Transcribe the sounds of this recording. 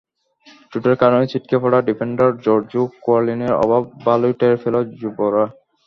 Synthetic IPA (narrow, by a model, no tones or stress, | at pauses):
ʈuʈaɾeɾkaɾonet͡ɕiʈ̚kʰepʰɔɽaɖipʰeɳɖaɾd͡ʑɔɾd͡ʑukoaɾlineɾɔ̰bʱabːalujʈaɾfʰelod͡ʑuboɾa